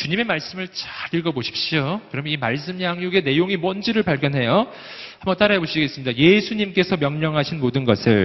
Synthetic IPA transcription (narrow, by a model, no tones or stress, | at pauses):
t͡ɕuɲime̞maɭs͈ɯmɯɭt͡ɕḁɡiɭɡʌboɕʰi̥p̚ɕ͈iokɯɾʌmjʌnimaɭs̬͈ɯmjaŋjuɡe̞ne̞joŋimwʌnd͡ʑiɾɯɭpaɭkʰjʌnɦe̞jo | hambʌnt͈aɾaeboɕʰiɡes͈ɯmɲidaje̞sʰuɲimk͈e̞sʰʌmjʌŋɲʌŋɦaɕʰinmodɯnɡʌsʰɯɭ